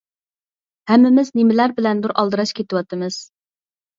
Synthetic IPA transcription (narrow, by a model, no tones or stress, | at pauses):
hɛmːɪmɪznemɪlæɾbɪlɛnd̪uɾʔɑlˠd̪ɨɾɑʃkʲet̪ɪwɑt̪ʰɨmɨz̥